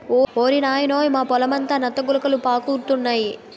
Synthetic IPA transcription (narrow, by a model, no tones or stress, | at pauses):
oːoːɾinaːjɐnoːjimaːpɔlɐmɐnt̪aːnɐt̪ːɐɡulɐkɐlupaːkuːɾt̪unːaːji